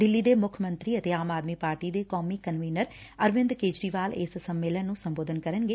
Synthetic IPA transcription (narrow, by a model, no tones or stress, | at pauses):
d̪ɪlːiːd̪eːmʊkʰmə̃nt̪ɾiːət̪eːaːmaːd̪miːpaːɾʈiːd̪eːkɔːmiːkənʋiːnəɾ | əɾʋɪ̃nd̪keːd͡ʒɾiːʋaːlḛːssəmːeːlənːũːsəmboːd̪ənkəɾənɡeː